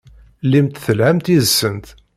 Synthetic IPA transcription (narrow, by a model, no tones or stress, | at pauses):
limt̪θəlʕæmt̪iðsːənt̪